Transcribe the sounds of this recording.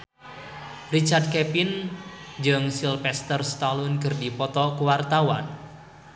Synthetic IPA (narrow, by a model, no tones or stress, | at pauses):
rit͡ʃard̪̚kɛpind͡ʒɨŋsilfɛst̪ərst̪alʊnkɨrdipɔt̪ɔkuwart̪awa̰n